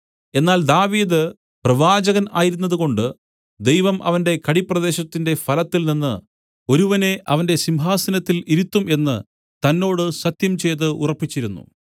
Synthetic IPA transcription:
e̞nːaːld̪aːʋiːd̪ɨ | prɐʋaːd͡ʑɐɣɐnaːjiɾun̪ːɐðuko̞ɳɖɨ | d̪ejʋɐmʔɐ̰ʋɐnde̞kɐɽipːrɐd̪e̞ːɕɐt̪ːinde̞fɐlɐt̪ːilninːɨ | o̞ɾuʋɐne̞ʔɐʋɐnde̞simɦaːsɐnɐt̪ːiliɾut̪ːume̞nːɨ̰ | t̪ɐnːo̞ːɽɨsɐt̪jɐmt͡ɕe̞jt̪̬ːɨʔurɐpːit͡ɕːiɾunːṵ

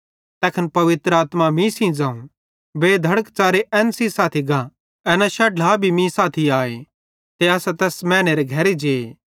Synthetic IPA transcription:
t̪ɛːkʰənpɐʋɪt̪ɾəaːt̪mamĩsĩd͡zãːũ | beːd̪ʱɐɽəkt͡ʃaːɾeʔɛːnsisaːt̪ʰiɡa | ɛːnaʃɐʈaːbʱimĩsaːt̪ʰiaːḛ | t̪eɐsat̪ɛːsmɛ̃ːñeɾeɡʱɐɾed͡ʒeːe

